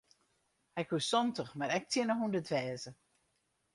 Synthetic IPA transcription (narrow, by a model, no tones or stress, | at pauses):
hɛkʰusɔntəxmaɾɛk̚tʰjɪnəhundətʋɛːzə